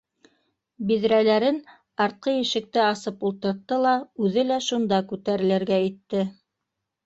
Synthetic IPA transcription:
biðɾælæɾɘn | ɑɾt̪̚qɤjɘ̆ʃɘ̆k̚t̪ɘɑsɤpulˠt̪ɤ̆ɾt̪ːɤlˠɑʉðɘlæʃund̪ɑkʉt̪æɾɘ̆lɘ̆ɾɡæit̪ːɘ

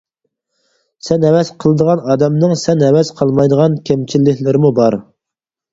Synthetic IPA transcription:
sɛnɛwɛsqʰəlˠɨd̪əʁɑnɑːd̪ɛmnɨŋsɛnɛwɛsqʰəlˠmɑjd̪əʁɑnkʲʰɛmt͡ʃʰilːɪkʲlɪɾɪmubɑɾ

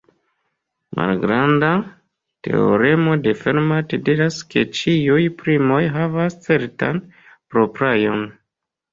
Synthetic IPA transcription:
mʔa̰lɡɾanda | te̞̰o̰ɾe̞mo̞de̞feɾmatediɾaske̞t͡ʃiujpɾimo̞jɦavast͡se̞ɾta̰n | pɾo̞pɾajo̞n

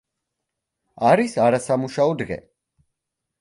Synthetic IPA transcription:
aɾisaɾasamuʃaɔd̪ʁɛ̰

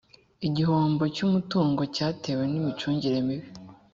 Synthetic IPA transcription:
iɟiɦoːmbo̞cumutuːŋɡo̞caːte̞we̞nimit͡ʃuːɲɟiɾe̞miβi

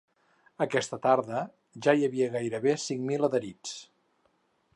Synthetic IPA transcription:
əkɛst̪ət̪aɾðə | ʒaiəβiəɣajɾəβesiŋmiləðəɾit͡s

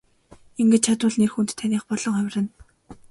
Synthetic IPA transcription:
iŋɡĕt͡ɕ̚t͡ɕʰat̪ʊːɮnerxunt̪t̪ʰːaniːχpɔɮɞ̆ŋæw̆ʲrɘ̆n

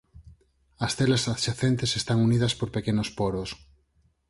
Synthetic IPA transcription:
ɐsθelasaðʃaθent̪esest̪aŋuniðɐspoɾpekenospoɾos

